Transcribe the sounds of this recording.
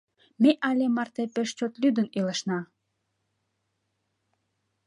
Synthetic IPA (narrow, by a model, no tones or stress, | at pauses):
meʔɑlʲemɑrt̪epeʃt͡ɕot̪lʲyd̪əniləʃnɑ